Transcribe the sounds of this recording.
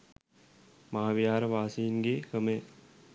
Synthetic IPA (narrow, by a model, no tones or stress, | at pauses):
mɐɦaʋjaːɾʋaːsiːnɡekɐmẽː